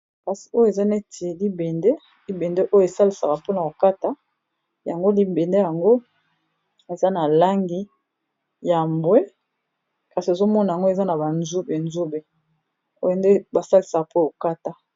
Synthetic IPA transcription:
ka˨si̥˨o˦jo˦e˨za˦ne˦ti˨e˨li˦be˨nde˦ | li˦be˨nde˦ʔo˦je˨sa˦li˨sa˨ka˨po˦na˨o˨ka˦ta˦ | ja˨ŋɡo˦li˦be˨nde˦ja˨ŋɡo˦ | e˨za˦na˨la˦ŋɡi˦ | ja˨mbwe˦ | ka˨si˨e˨zo˦mɔ˦na˨ja˨ŋɡo˦e˨za˦na˨ba˨nzu˦be˨nzu˦be˨ | o˦˨nde˦ba˨sa˦li˨sa˨ka˨po˦˨o˨ka˦ta˦

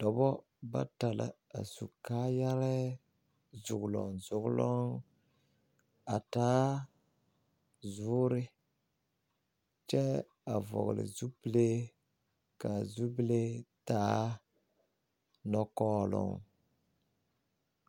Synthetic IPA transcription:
tɔ˨bɔ˦ | ba̰˦ta˨la̰˨a̰˨su˨kaː˦ja˦ɾɛ˦ | zʊ˨ɡʊ˨lɔ̰˨ŋzʊ˨ɡʊ˦lɔ˦ŋ | a˨taː˦ | zʊ˦ɾɪ˦ | t͡ʃɛ˦ | a˨vɔ̰˨ɣlɪ̰˨zu˦bi˦le˦ | ka˨zu˦ble˦taː˦ | nɔ˦kɔː˦lʊ̰˦ŋ

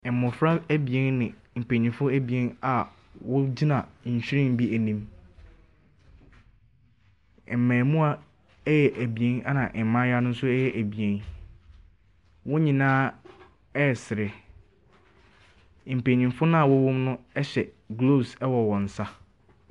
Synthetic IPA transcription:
mʊ̃˨fɾa˦æ˦bi˨e˦n˦nɪ̃˨ | m̩˨pʰe˨ɲĩ˨fʊ˦æ˦bi˨ẽ˦na˨ | wʊ˦d͡ʑi˦nã˨˦ɲ̩˨ɕᶣɾɪ̃˦˨m˦bi˦ʔæ˨nĩ˦m˨ | m̩˨mæ̃ː˨mũ˦a˦ | jɛ˨ʔæ˨bi˨ẽ˦na˦nã˨ʔmã˦ja˦nʊ̃˦n̩˦sʊ˦ɛ˦jɛ˦ʔæ˨bi˨ẽ˦n | wʊ˦ɲĩ˨nãː˦ | ɛ˦˨sɪ˨ɾɪ˨ | m̩˨pe˨ɲĩ˨mfʊ˦nʊ̃˦a˨wʊ˦wʊ̃˦mnʊ̃˦ɛ˦ɕɛ˨ | ɡlo˦˨sɛ˦wɔ˨wɔ̃˨n̩˨sa˦

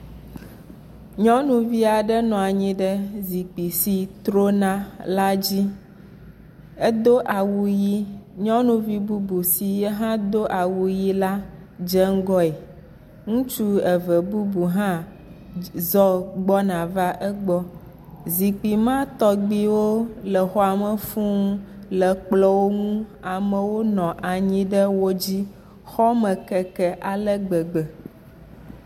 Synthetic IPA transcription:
ɲɔ̃˦nũ˨vi˦a˨ɖɛ˦nɔ̃˨a˨ɲĩ˦ɖɛ˦zi˨k͡pi˨si˨t̪ɾo˦nã˨la˦d͡ʑi˦ | e˦d̪o˦ʔa˨wu˦ji˦ɲɔ̃˦nũ˨˦vi˦bu˦bu˨si˨je˦ɦã˦d̪o˦ʔa˨wu˨ji˦la˦ | d͡ʒɛ˦ŋ̩˦ɡɔ˦ɛ˨ | ŋũ˦t͡ʃu˦e˨vɛ˨bu˦bu˨ɦã˦ | zɔ˦ɡ͡bɔ˦nã˨va˦ʔɛ˦ɡ͡bɔ˦ | zi˨k͡pi˨mã˦t̪ɔ˦ɡ͡bi˦wo˦lə˨xɔ˦a˨mə˨fũ˦lə˨k͡plɔ˦wo˦ŋũ˦a˨mə̃˨wo˦nɔ̃˨ʔa˨ɲĩ˦ɖə˦wo˦d͡ʑi˦ | xɔ˦mə̃˨kɛ˨kɛ˨ʔa˨lə˦ɡ͡bə˨ɡ͡bə˨

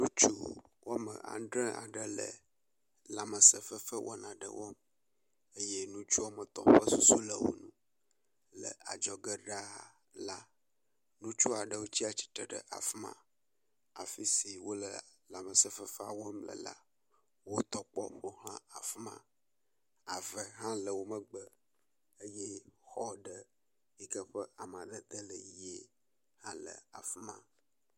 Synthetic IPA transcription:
nũ˦t͡ʃu˦wʔo˦mə̰̃˨ʔã̰˨ɖɾɛ˦a̰˨ɖə˦lə̰˨ | la˨mə˨sə˨fə˦fə˦wʔɔ̰˦nã˨ɖə̰˨wʔɔ˦m | e˦je˦nũ˦t͡ʃu˦a˦mə˨t̪ɔ̰̃˨ɸə˦su˦su˦lə˨wo̰˨nũ˦ | lə̰˨a˨d͡ʒɔ˨ɡə˦ɖa˦˨ | la˦ | nũ˦t͡ʃu˦a˨ɖə˨wo˦t͡ɕi˦a˨t͡ɕi̥˦t̪ɛ˨ɖə˨ʔa˨fmã̰˨ | a˨fi˦si˨wo˦lə˨la˨mə˨sə˦fə˦fa˨wo˦mlə̰˨la̰˦ | wo˦t̪ɔ˦k͡pɔ̰˦ɸo˦hã˦a˨fmã̰˦ | a˨və˨ɦã˦lə˨wo˦mə̃˦ɡ͡bə˦ | ə˦jɛ˦xɔ˦ɖə˦ | i˦kə˦ɸə˦ʔa˨m˨ã˨ɖə˦t̪ə˦lə˨je˦ | hã˦lə̰˨a̰˨fu˦mã̰˦

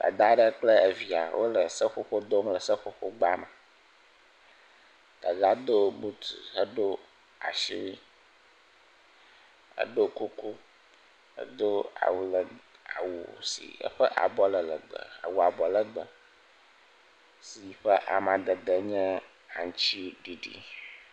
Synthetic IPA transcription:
d̪a̰˨d̪a˦ɖə˦k͡plə˦ə˨vi˨a˨wʔo̰˦lə˨sə˦ɸo˦ɸo˦d̪o˦mlə˨sə˦ɸo˦ɸo˦ɡ͡ba˦mə̃˨ | d̪̥ə˨ɡa˦d̪o˦bu˦t̪ṵ˨ɦə˦ɖo˦ | a̰˨ʃḭ˦wi˦ | ə̰˦ɖo˦ku˦ku˦ | ə̰˦d̪o˦a̰˨wu˨lə˨a˨wu˨sḭ˨ə̰˦ɸə˦ʔa̰˨bɔ˦lə˨lə̰˨ɡ͡bə̰˨a̰˨wu˨a˨bɔ˨lə˦ɡ͡bə˨ | si˨i˨ɸə˦ʔa˨mã˨d̪ə˨d̪ə˨ɲɛ̃˦ | a̰˨ŋ˨t͡ɕi˦ɖi˨ɖḭ˨

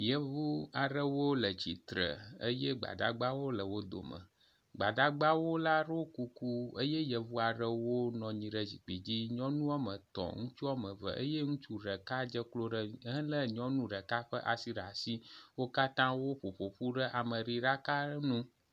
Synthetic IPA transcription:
jə˦vu˦a˨ɖə˦wo˦lə˨d͡ʑi˨t̪ɾə̰˨ə̰˦jɛ˦ɡ͡ba̰˨da̰˦ɡ͡ba˦wo˦lə˨wo˦d̪o̰˨mə̰̃˨ | ɡ͡ba̰˨d̪a˦ɡ͡ba˦wo˦la˦ɖoo˦ku˦ku˦ə˦jɛ˦jə˨vu˦a˨ɖə˦wo˦nɔ̃˨ɲĩ˨ɖə˦d͡ʑḭ˨k͡pi˨d͡ʑi˦ɲɔ̃˦nũ˦a˦mə̃˨t̪ɔ̰˨ŋũ˦t͡ʃu˦a˦mə̃˨və̰˨ʔə̰˦jɛ˦ŋũ˦t͡ʃu˦ɖə˨ka˦d͡ʒə˦klo˦ɖə˦ɦə̃˦lə˦ɲɔ̃˦nũ˦ɖə˨ka˦ɸə˦ʔa˨si˦ɖa˨si˦wo˦ka˦t̪ã˦wo˦ɸo˨ɸo˨ɸu˦ɖə˦ʔa˨mə̃˨ɾi˨ɖa˦ka˦nũ˦

